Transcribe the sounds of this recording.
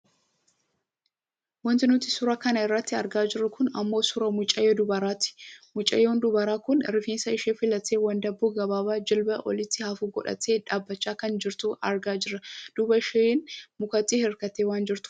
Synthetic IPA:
wɐnt̪ɪnʊt̪ːɪsʊɾɐkɐnɐɪrːɐt̪ːɪɐɾɡaːd͡ʒɪrːʊkʊnɐmːo̞ːsʊɾɐmʊt͡ʃʼːɐjːod̪ʊbɐɾaːt̪ɪ̥mʊt͡ʃʼːɐ̰joːnd̪ʊbɐɾaːkʊnɾɪfiːnsɐɪʃeːfɪlɐt̪eːwɐnd̪ɐbuːɡɐbaːbaːd͡ʒɪlbɐʔɔ̰lɪt̪ːɪhafuːɡɔ̰ᶑɐ̰t̪eːᶑaːbːɐt͡ʃːaːkɐnd͡ʒɪɾt̪uɐɾɡaːd͡ʒɪɾːɐd̪̥ʊbɐʃenmʊkɐt̪ʼːihɛɾkɐt̪ːeːwaːnd͡ʒɪɾt̪ʊ̥

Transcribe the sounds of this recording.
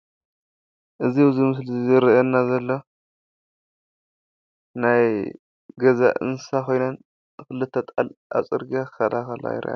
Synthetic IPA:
ʔɨziwuzimɨslizɨɾenːazɐlːo | naj | ɡɐza̰ʔɨ̰nsako̞jnɐn | kɨlɨt̪ʰːɐt̪ʼalʔa̰t͡sʼɨɾɡakɐd̪axɐla̰jɪ̰ɾʔa̰

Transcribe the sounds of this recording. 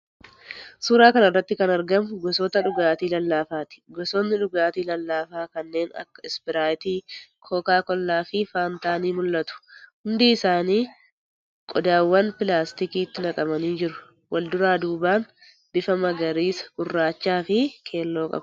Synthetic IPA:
suːɾaːkɐnɐrːɐt̪ːɪkɐnɐɾɡɐmʊɡɔsɔːt̪ɐᶑʊɡaːt̪iːlɐlːaːfaːt̪ɪ̥ɡɔsɔnːɪᶑʊɡaːt̪iːlɐlːaːfaːkɐnːe̞ːnɐ̰kːɐɪsbɪɾaːt̪iːkʰoːkaːkɔlːaːfɪfaːnt̪aːniːmʊlːɐt̪ʊ̥hʊnd̪iːɪsaːniː | kʼɔd̪aːwːɐnpɪlaːst̪ɪkiːt̪ːɪnɐkʼɐmɐniːd͡ʒɪɾʊ̥ | wʔɐld̪ʊɾaːd̪uːbaːn | b̥ɪfɐmɐɡɐɾiːsɐ̥ɡʊrːaːt͡ʃːaːfɪkʰe̞ːlːo̞ːkʼɐ̰b

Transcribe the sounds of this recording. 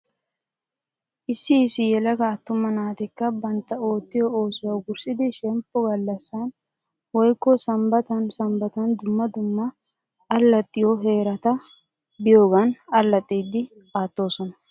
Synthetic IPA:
ʔɪsːɪːsːɪjɛlɐɡɐːt̪ːʊmːɐnaːt̪ɪkːɐbɐnt̪ːɐo̞ːt̪ːɪjɔoːsʊwɐwɡʊɾsɪd̪ɪʃɛmpːɔɡɐlːɐsːɐn | wɔjkːɔsɐmbɐt̪ɐnsɐmbɐt̪ɐnd̪ʊmːɐd̪ʊmːɐ | ɐlːɐt̪ʼːɪjɔɦe̞ːɾɐt̪ɐ | bɪjo̞ːɡɐnɐlːɐt̪ʼːiːd̪ːɪ | aːt̪ːo̞ːsɔnɐ

